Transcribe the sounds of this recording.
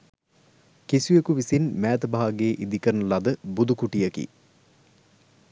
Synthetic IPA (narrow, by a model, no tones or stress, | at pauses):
kisujekuʋisinmæːt̪əbaɦaɡeːʔid̪ikəɾnəlɐd̪əbud̪ukuʈijɐkḭ